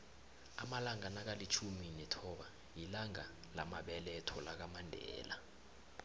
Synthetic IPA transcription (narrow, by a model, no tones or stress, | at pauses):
amalaŋanak̬alit͡ʃʰuminɛtʰɔɓa | jilaŋa | la̰maɓɛlɛɛtʰɔlak̬amandʱɛ̰ːla